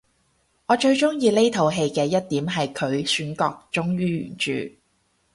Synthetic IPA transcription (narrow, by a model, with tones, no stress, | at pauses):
ŋɔː˨˧t͡ʃɵ˧ɥt͡ʃʊ˥ŋjiː˧le˥jt̪ʰo˨˧wɦe˧jkɛː˧jɐ˥t̚t̪iː˨˥mɦɐ˨jkʰɵ˨˧ɥsyː˨˥nkɔ̰ː˧k̚t͡ʃʊ˥ŋjyː˥jy̰ː˨˩nt͡ʃy̰ː˨˩